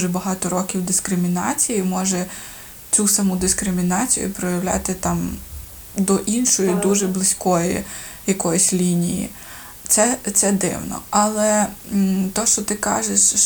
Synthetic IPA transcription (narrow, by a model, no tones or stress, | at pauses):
ʒɛbɐɦɑt̪ɔɾɔkʲiwd̪ɪskɾɪmʲinɑ̰t͡sʲijimɔʒɛ | t͡sʲusɐmud̪ɪskɾɪmʲinɑt͡sʲijʊ̰pɾɔjɐwlʲa̰t̪ɪt̪ɑm | d̪ɔʔinʃɔjid̪uʒɛblˠɪsʲkɔjḭjɐkɔjɔsʲlʲinʲḭjḭ | t̪sɛt̪sɛd̪ɪ̰wnɔ̰ɐlˠɛ | t̪ɔʃt͡ʃɔt̪ɪkɑ̰ʒeʃ